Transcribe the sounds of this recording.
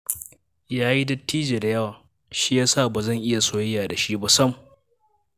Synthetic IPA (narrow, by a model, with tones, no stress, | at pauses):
jaː˦ji˦dɐ˦tːiː˦d͡ʒeː˨da˨jɐ˦waː˨ | ʃi˦jaː˦saː˦˨baː˨zɐ˦˨ŋʔɪ˦ja˨soː˦jɪ˦jaː˨da˨ʃi˦ba˦sɐ˦m˨